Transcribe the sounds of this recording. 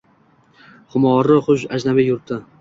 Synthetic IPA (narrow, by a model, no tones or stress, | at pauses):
χʊmɒɾɪχʊʃad͡ʒnabɪjʊɾt̪ʰɪ